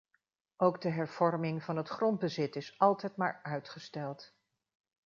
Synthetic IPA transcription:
ʔowɡdəɦɛɹv̥ɔɹmɪŋvɑnɦətχrɔnd̚bəzɪtɪsɑlˠtɛjtma̰ːɹœɥtχəstɛlˠt

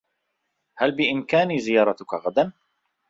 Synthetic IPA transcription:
halbɪʔɪmkaːniːzɪjɑːɾˤɑt̪ʊkaɣad̪an

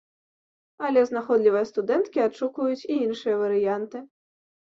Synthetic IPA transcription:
ɐlʲɛznaxɔd̪lʲivɐjɐst̪ud̪ɛnt̪kʲiat͡ʂukvɐjut͡sʲiinʂɨjɐvɐɾɨjant̪ɨ

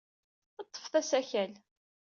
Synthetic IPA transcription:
ɑt̪ˤːə̥fθæsæçæl

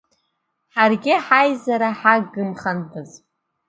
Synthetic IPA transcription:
ħarɡʲɪħajzaɾaħaɡɨmχantʰɨz

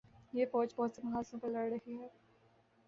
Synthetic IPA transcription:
jeːfɔːd͡ʒbɔɦːt̪semɐɦaːsõpɐɾlɐɽɾɐɦiɦɛː

